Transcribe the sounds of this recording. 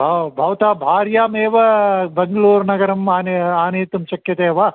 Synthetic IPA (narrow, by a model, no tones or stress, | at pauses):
bʱɐbʱɐʋɐt̪aːbʱaːɾjaːmeːʋɐbɐŋɡɐluːɾnɐɡɐɾɐmaːneaːneːt̪umʃɐkjɐt̪eːʋɐ